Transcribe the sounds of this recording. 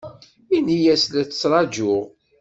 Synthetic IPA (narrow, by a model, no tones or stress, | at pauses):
inijæslæt͡sːə̥t͡sːɾˤɑd͡ʒʊʁ